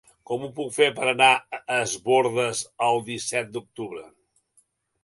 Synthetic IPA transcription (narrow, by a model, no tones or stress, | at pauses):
kɔmupukfeɾpəɾənaəzβoɾðəzəlˠd̪isɛt̪̚d̪uk̚t̪uβɾə